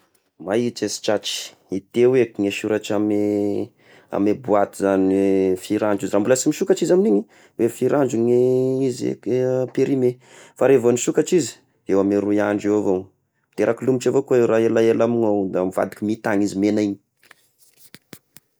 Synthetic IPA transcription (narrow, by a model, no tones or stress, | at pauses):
mait͡ʃesi̥t͡ʃat͡ʃi̥ | it̪ewekiŋeʃuɾaʈ͡ʂame | a̰mebuat̪izanfiɾand͡ʒizirambuləsimiʃukaʈ͡ʂizaminiɲi | wefiɾaɳd͡ʒuɲeizḛpeɾime | faɾevoniʃukaʈ͡ʂizi̥ | ewameɾuiaɳɖ͡ʐewavo | mit̪eɾakilumiʈ͡ʂavokuewɾaelaelaminowd̪amiva̰d̪i̥kimit̪aŋizimenaiɲi̥